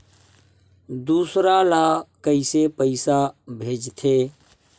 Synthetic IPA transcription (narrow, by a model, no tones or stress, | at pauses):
d̪uːsɾalaːkəɪsepəɪsabʱeːd͡ʒt̪ʰeː